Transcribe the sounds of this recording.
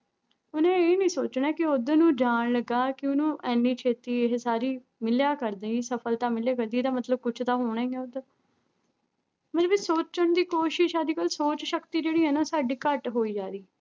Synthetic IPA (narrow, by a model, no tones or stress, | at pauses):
ʊnẽːeːnĩːsoːt͡ʃnaːkɪod̪nũːd͡ʒaːnləɡaːkɪʊnũːʔɛːnːiːt͡ʃʰeːt̪iːɪɦsaːɾiː | mɪljaːkəɾd̪eːiːsəpʰəlt̪ãːmɪljaːkəɾd̪iːɛːt̪ãːmət̪ləb̚kʊt͡ʃʰt̪aːɦoːɽɛ̃ːɡɛːʊd̪ | məəbesoːt͡ʃəɳd̪iːkoːʃɪʃaːd̪iːkəlsoːt͡ʃʃəkt̪iːd͡ʒeːɽiːɦɛːnaoːsaːɖiːkəʈɦoːiːd͡ʒaːɾiː